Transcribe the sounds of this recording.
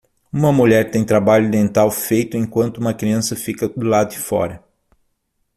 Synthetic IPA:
ũmɐmuʎɛɾt̪ẽj̃t̪ɾabaʎʊd̪ẽnt̪awfejt̪ʊẽŋkwɐ̃nt̪ʊũmɐkɾiɐ̃sɐfikɐd̪ʊlad̪ʊd͡ʒɪfɔ̰ɾɐ

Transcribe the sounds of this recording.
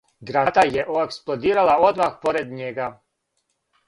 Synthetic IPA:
ɡɾat̪ajeʔoeksplˠod̪iːɾalˠao̞d̪maxpoɾed̪ɲeɡa

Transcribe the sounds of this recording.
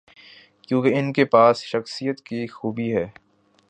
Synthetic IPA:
kjũːkeɪnkepaːsʃɐxsijət̪kixuːbiɦɛː

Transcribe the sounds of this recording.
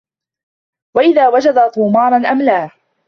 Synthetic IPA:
waʔɪðaːwad͡ʒad̪at̪ˤuːmɑːɾˤɑnʔamlaː

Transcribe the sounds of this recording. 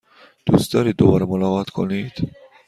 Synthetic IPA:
d̪̥ṵst̪ɒːɾiːd̪obɒːɾɛmolɒɣɒːt̪kʰo̰nid̪̥

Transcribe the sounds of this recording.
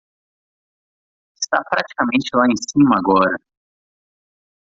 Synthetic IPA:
ɪst̪apɾat͡ʃi̥kɐmẽnt͡ʃɪlaẽj̃sĩmɐaɡɔɾɐ

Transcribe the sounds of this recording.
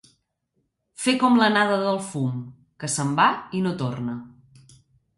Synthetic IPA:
fekɔmlənaðəðəlˠfum | kəsəmbainot̪ornə

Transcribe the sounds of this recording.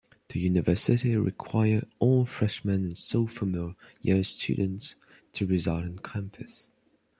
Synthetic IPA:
ðɨjʉnɨvɜ˞sɪɾiɹʔɪ̰kʰw̥aɪə˞ɔlˠfɹɛʃmɛ̃nɨ̃nsoʊfəmɪlˠjɪɹstʰʉ̰dⁿn̩ts | tʰɨɹɨzʌlˠɾɨ̃nkʰæ̃mpʰɨs

